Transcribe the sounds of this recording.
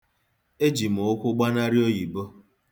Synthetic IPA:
e˦d͡ʒi˨mo˨ʊ˦kʷʊ˦ɡ͡ba˦na˦ɾi˦o˦ji˨bo˦

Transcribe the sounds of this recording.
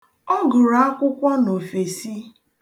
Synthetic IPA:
ɔ˦ɡʊ˨ɾa˨a˦kʷʊ˦kʷa˦no˨fe˨si˦

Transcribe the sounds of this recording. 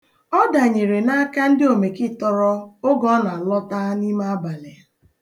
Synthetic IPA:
ɔ˦da˨ɲe˨ɾe˨na˦a˦ka˦n̩˦dɪ˦o˨me˨kɪ˦tɔ˦ɾɔ˦o˦ɡɔ˦na˨lɔ˦ta˦ni˦ma˦a˦ba˨le˨

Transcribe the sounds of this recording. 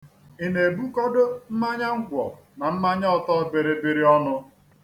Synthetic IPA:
i˨ne˨bu˦kɔ˦dʊ˦m̩˦ma˦ɲa˦ŋ̩˦ɡʷɔ̰˨ | na˨m̩˦ma˦ɲa˦ɔ˦tɔ˦˨be˨ɾe˨be˨ɾi˦ɔ˦nʊ˦

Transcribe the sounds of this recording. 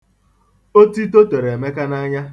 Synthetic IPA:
o˦ti˦to˦te˨ɾe˨me˦ka˦na˦ɲa˦

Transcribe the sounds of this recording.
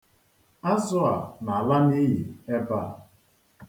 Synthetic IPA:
a˦zʊ˦a˨na˨a˨la˦ni˦ɦi˨e˦ba˦˨

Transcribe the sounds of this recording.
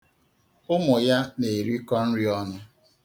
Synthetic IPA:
ʊ˦mʊ˨ja˦ne˨ɾi˦kɔ˦n̩˦ɾi˦ɔ˦nʊ˦

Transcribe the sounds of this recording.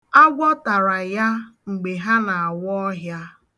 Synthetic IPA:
a˦ɡʷɔ˦ta˨ɾa˨ja˦ŋ͡m̩˨ɡ͡be˨ɦa˦na˨a˨wɔ˦ɦja˦

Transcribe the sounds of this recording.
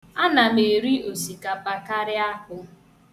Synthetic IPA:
a˦na˨me˨ɾi˦o˨si˨ka˨pa˨ka˦ɾɪ˦a˦kʊ˦

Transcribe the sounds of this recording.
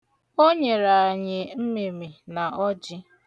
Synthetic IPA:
o˦ɲe˨ɾa˨a˨ɲɪ˨m̩˦mi˨mi˨na˨ʔɔ˦d͡ʒɪ˦

